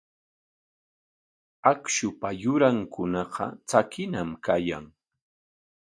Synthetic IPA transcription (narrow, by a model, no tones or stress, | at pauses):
akʃʊpajʊɾaŋkʊnɑqɑ̰t͡sakɪnamkaja̰ŋ